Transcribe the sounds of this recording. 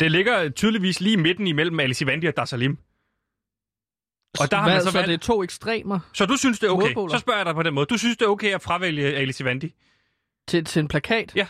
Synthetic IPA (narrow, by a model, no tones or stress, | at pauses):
d̥e̝le̝ɡ̥ɐt͡sʰyːð̞ˠliʋḭːsliːime̝d̥n̩imel̰m̩ælisiʋænd̥iɒ̽d̥ɑ̈sælim | ɒ̽d̥ɑ̈hɑmæsɒet͡sʰo̝̰ːeɡ̥sd̥ʁḛːmɐsɒ̽d̥usynsd̥e̝æɐoʊkḛɪssɒ̽sb̥ɶɐ̰jɑɾ̥ɑ̈ɪpɒ̽d̥enmɔ̽ðˠd̥usynsd̥e̝æɐoʊkʰeɪæfʁɑ̈ʋel̰jəelisiʋænd̥i | t͡sʰet͡sʰe̝npʰlækʰɛ̰ːd̥jæ